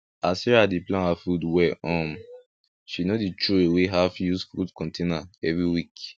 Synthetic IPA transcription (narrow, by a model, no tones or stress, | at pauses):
asɛɹadeplẽafudwɛɔ̃m | ʃinodit͡ʃʰueweɦafjusfṵdkʰɔ̃ntʰẽnaɛvɹiwik